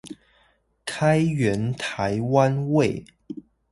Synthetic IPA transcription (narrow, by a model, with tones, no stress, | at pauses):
kʰa˥ɪɥɛ˧˥nt̪ʰa˨˧˥ɪwa˦nwe˥˨˩ɪ